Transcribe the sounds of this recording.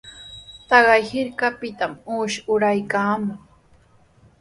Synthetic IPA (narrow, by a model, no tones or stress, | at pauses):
t̪ɑɢɑjhɪɾkapɪt̪amuːʃʊɾajkaːmoŋ